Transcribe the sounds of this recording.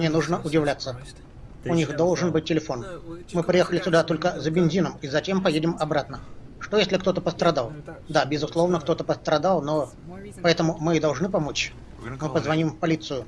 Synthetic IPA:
mnʲenuʐnəʔʊdʲɪvlʲat̪sːə | ʊnʲixd̪olˠʐɨnbɨt̚ʲtʲːɪlʲɪfo̞nmɨpɾʲɪjexəlʲɪsʲʊd̪at̪o̞lʲkəzəbʲɪnʲzʲinəmizɐtʲempɐjedʲɪmɐbɾat̪nə | ʂt̪ojesʲlʲɪkt̪o̞t̪əpəst̪ɾɐd̪alˠd̪abʲɪzʊslˠo̞vnək̚t̪o̞t̪əpəst̪ɾɐd̪alˠno̞ | pɐɛt̪əmʊmɨɪd̪ɐlˠʐnɨpɐmo̞t͡ɕ | mɨpəzvɐnʲimpɐlʲit̪sɨjʊ

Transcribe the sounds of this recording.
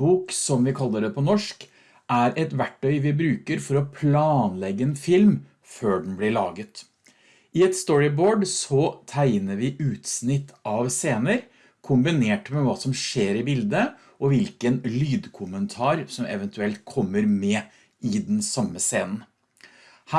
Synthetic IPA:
buːksɔmʋɪkʰɑlːəɖ̪ɛpʰɔnɔʂk | ʔæɾɛt̪ʋæʈːœʏʋɪbɾʉːkəɾfɔɾɔpʰlɑːnlɛɡːəɛnfɪlm | føːɖn̩blɪɭɑːɡət̪ | ʔɪɛt̪st̪ɔɹɪboːɖsɔt̪ʰæɪnəɾʋɪʔʉːt̪snɪt̪ːɑʋseːnəɾ | kʰʊmbɪneːʈmɛʋɑːsɔmʂeːɾɪbɪld̪ə | ɔʋɪlkənlyːd̪kʰʊmənt̪ʰɑːɾsɔmɛ̰ʋənt̪ʉɛlt̪̚kʰɔmːəɾmɛ | ɪd̪ɛnsɑmːəseːnən̩ | hæ

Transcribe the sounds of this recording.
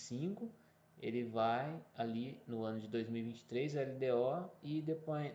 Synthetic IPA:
sĩkʊ | ḛlɪvajalinʊɐ̃nʊd͡ʒɪd̪ojzmiuwivĩnt͡ʃɪ̥t̪ɾejzɛlid̪eɔɪd̪epoj

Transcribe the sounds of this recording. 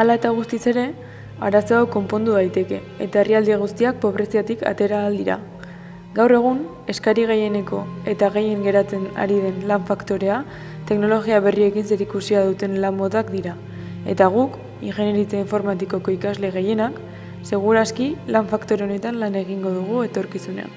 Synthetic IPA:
alae̞t̪aɣ̞ust̪ise̞ɾe̞ | aɾaso̞awko̞mpo̞nd̪uðajt̪e̞ke̞ːt̪ae̞riald̪iaɣ̞ust̪iak̚po̞βɾe̞siat̪ika̰t̪e̞ɾaːld̪iɾa̰ | ɡawre̞ɣ̞un | e̞skaɾiɣ̞e̞je̞ne̞ko̞e̞t̪aɣe̞je̞ŋɡe̞ɾat͡se̞na̰ɾið̞e̞nlaɱfakt̪o̞ɾe̞a | t̪e̞kno̞lo̞ɣiaβe̞rie̞kinse̞ɾikusiaðut̪e̞nlambo̞t̪akd̪iɾa | e̞̰t̪aɣ̞uk | iŋxe̞neɾit͡seiɱfo̞ɾmat̪iko̞ko̞ikazle̞ɣe̞je̞nak | se̞ɣ̞uɾaskilaɱfakt̪o̞ɾe̞o̞ne̞t̪anlane̞ɣ̞iŋɡo̞ðuɣ̞ue̞t̪o̞ɾkisunḛa̰n

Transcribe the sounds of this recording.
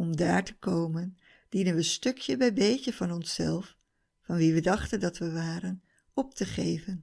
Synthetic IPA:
ɔmdaːɹtəkowmən | d̥inənʋəstøkʰjəbɛjbejcəvɑnɔnsɛ̰lˠfː | ɑnʋiʋədɑχtəndɑtʋəʋaːɾən | ɔp̚təχejvən

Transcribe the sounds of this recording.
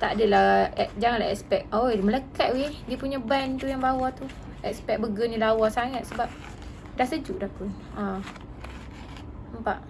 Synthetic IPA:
t̪aʔdəlaɛd͡ʒaŋanlaɛ̰k̚spɛk̚omələkaʔ̪wediəpuɲabant̪ujaŋbawat̪u | ɛkspɛk̚bəɡənilawasaŋat̪̚səbap̚ | dahsəd͡ʒuʔdakun | a | əmpa̰ʔ

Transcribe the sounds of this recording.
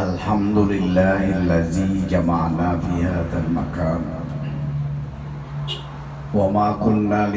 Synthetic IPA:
ʔalħamd̪ʊlɪlːaːhʔalːaðiːd͡ʒamaʕnaːfiːhaːðalma̰kaːn | wamaːkʊnːaːl

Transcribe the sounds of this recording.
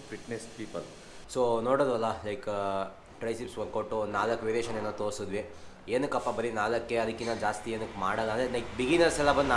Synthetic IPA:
fiʈnespiːpɐl | soːnoːɽod̪ʋɐlːɐlɐjk | ʈɾɐjsipsʋɐnkoʈːunnaːlɐkːʋeɾeʃɐneːnot̪oːɾsud̪ʋi | eːnukɐpːabɐɾinaːlɐkːeɐd̪ɐkːinɐd͡ʒaːst̪ieːnukma̰ːɽɐlːɐːnd̪elɐjkbiɡinɐɾsɛlɐbɐnd̪

